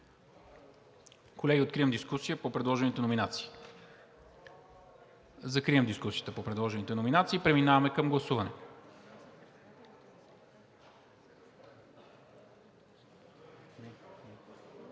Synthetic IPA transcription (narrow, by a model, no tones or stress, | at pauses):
kolɛɡʲiot̪kɾiəmd̪iskusijəpopɾɛd̪lˠɔʒɛnit̪ɛnominat̪si̥ː | zɐkɾiəmd̪iskusijə̥t̪əpopɾɛd̪lˠɔʒɛnit̪ɛnominat̪siːpɾɛminavɐmɛkəmɡlˠɐsuvɐnɛ